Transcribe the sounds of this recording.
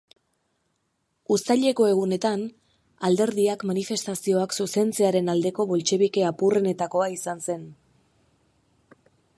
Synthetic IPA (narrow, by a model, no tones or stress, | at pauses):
ust̪aʎe̞ko̞e̞ɣ̞une̞t̪an | ald̪e̞ɾðiakmanife̞st̪asio̞aksuse̞nt͡se̞aɾe̞nald̪e̞ko̞βo̞lt͡ʃe̞βike̞apure̞ne̞t̪ako̞aisanse̞n